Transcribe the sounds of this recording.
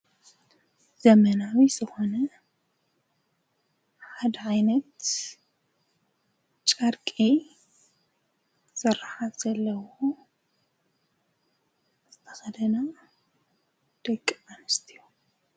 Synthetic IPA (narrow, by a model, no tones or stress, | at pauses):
z̥ɐmɐnawiz̥ɨxo̞nɐ | ħad̪ɐʕajnɐt̪ | t͡ʃʼɐɾkʼi | sɨɾaħat̪z̥ɐlːɐwo | zɨt̪ʰɐ̥xɐd̪ɐna | d̪̥ɐkʼːianɨst̪ʰiju